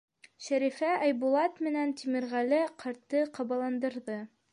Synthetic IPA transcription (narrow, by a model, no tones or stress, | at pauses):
ʃæɾifæʔæjbulˠɑt̪mɘ̆nænt̪imɘ̆ɾʁælɘqʰɑ̆ɾt̪ːɤqɑβɑlˠɑnd̪ɤ̆ɾðɤ